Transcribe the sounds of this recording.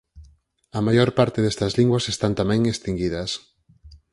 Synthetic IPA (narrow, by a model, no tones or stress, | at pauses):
ɐmajoɾpaɾt̪eðest̪ɐzliŋɡwɐsest̪ant̪amɛ̃ŋest̪iŋɡiðɐs